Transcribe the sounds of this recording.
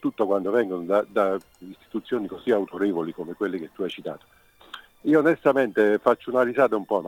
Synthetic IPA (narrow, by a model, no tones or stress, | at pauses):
t̪ut̪ːokwand̪ovɛŋɡonod̪ad̪a | ist̪i̥t̪ut̪sːjoːnikoziawt̪oɾɛːvolikomekwelːiket̪ːuajt͡ʃit̪a̰ːt̪o̥ | iːoːnest̪ament̪efat͡ʃːounarisaːt̪aumpɔm